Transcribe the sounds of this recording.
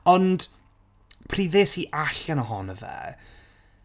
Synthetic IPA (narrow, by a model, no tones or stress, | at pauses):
ɔnd̥ | pʰriːðeːsiʔaɬanəɦɔnəvɛ̰ː